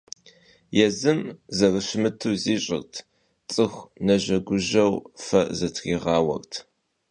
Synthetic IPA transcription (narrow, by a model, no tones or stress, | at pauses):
jɛzɨmzɐrɨɕɪmɨtʰuːziːɕʼɪ̰rtʰ | t͡sʼɨxʷnɐʑɐɡʷʊʒɐwfɐzɐtʰχiːʁɑːwɐ̰rtʰ